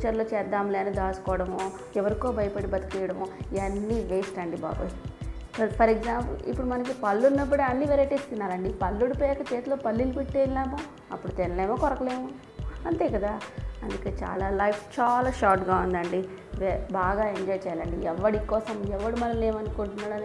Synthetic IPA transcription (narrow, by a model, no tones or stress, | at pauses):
t͡ʃɐɾloːt͡ʃɛːɾd̪aːmleːnud̪aːsu̥kɔːɐɽɐmoː | ɛʋɐɾiko̞ːbɐjɐpɐɽibɐt̪i̥kijɐɽɐmoːiɐnːiʋeːsʈɐɳɖiba̰ːbu | ɐpʰɐɾeɡzaːmpulḭpːuɽumɐnɐk̬ipɐlːunːɐp̬ːuɽeɐnːiʋeɾɐjʈist̪unːaːɾɐɳɖipɐlːuɽipɛkɐt͡ʃeːt̪uloːpɐlːilupiʈːeːllaːmoː | ɐpːuɽut̪enɐleːmoːkɔɾɐkɐle̞ːmu | ɐnt̪e̞ːkɐd̪aːɐnd̪ukeːt͡ʃa̰ːlaːlɐjpʰt͡ʃaːlaːʃaːɾʈɡaːund̪ɐɳɖi | ʋɛbaːɡaːeɲd͡ʒɔːjt͡ʃɛːjalɐɳɖiɛʋːɐɽikːɔːsɐmɛʋːɐɽimɐnɐmleːmɐnukuɳʈunːaːɽɐni